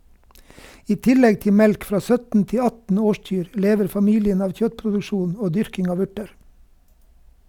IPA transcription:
ˈiː ˈtɪˌlɛɡ ˈtɪ ˈmɛlk ˈfɾɑː ˈsœtn̩ ˈtɪ ˈɑtn̩ ˈoːˌʃc͡çyːɾ ə ˈleːʋəɾ fɑˈmiːlɪən ˈɑːʋ ˈçœtpɾʊdʉˌʃuːn ˈoː ˈdʏɾkɪŋ ˈɑːʋ ˈʉʈəɾ

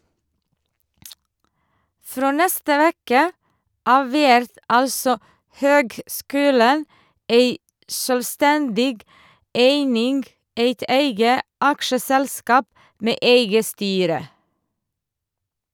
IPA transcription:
ˈfɾoː ˈnɛstə ˈʋeːkə ˈɑːʋ ˈʋæɾt ˈɑlsɔ ˈhøːɡˌskʉːlən ˈeɪ ˈsøːlˌstɛndɪɡ ˈeɪnɪŋɡ ˈeɪt ˈeɪɡə ˈɑkʃəsɛlˌskɑːp ˈmeː ˈeɪɡə ˈstyːɾə

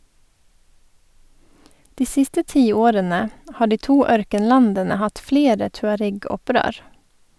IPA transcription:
ˈdiː ˈsɪstə ˈtiːˌoːɾənə ˈhɑː ˈɖiː ˈtuː ˈœɾkənˌlɑndənə ˈhɑt ˈfleːɾə tʉɑˈɾɛɡɔˌpɾøːɾ

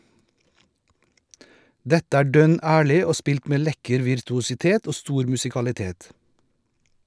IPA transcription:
ˈdɛtə ˈæː ˈɖœn ˈæːɭɪ ˈoː ˈspɪlt ˈmeː ˈlɛkəɾ ʋɪɾtʊsɪˈteːt ˈoː ˈstuːɾ mʉsɪkɑlɪˈteːt

